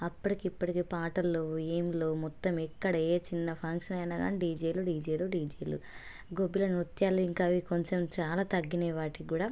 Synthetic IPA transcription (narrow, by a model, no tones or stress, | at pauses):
ɐpːuʈikːpːɐʈikeːpaːʈɐlːuiːmloːmɔt̪ːɐmikːɐɽɐeːt͡ʃinːɐpʰɐŋkʂɐnɐjnaːɡa̰ːniɖiːd͡ʒeːluɖiːd͡ʒeːluɖiːd͡ʒeːlṵ | ɡobːilɐnut̪jaːluiŋkaːʋikoɲt͡ʃemt͡ʃaːlaːt̪ɐɡːinɛːʋaːʈikuːɽaː